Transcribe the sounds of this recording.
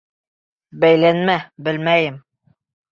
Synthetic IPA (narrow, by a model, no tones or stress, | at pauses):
bæjlænmæbɘlmæjɘm